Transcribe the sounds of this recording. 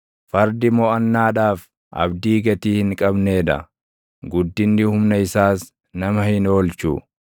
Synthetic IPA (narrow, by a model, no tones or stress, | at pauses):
fɐɾd̪ɪmɔːɐnːaːᶑaːf | ʔɐ̰bd̪iːɡɐt̪iːhɪŋkʼɐbne̞ːd̪ɐ̰ | ɡʊd̪ːɪnːɪhʊmnɐɪsaːs | nɐmɐhɪno̞ːlt͡ʃṵ